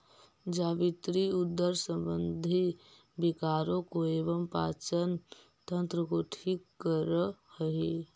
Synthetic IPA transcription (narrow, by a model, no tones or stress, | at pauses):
d͡ʒaːbit̪ɾiud̪ːəɾsə̃mbənd̪ʱi | bikaːɾõkoeːʋəmpa̰ːt͡ʃən | t̪ə̃nt̪ɾəkoʈʰikːəɾəhəɦe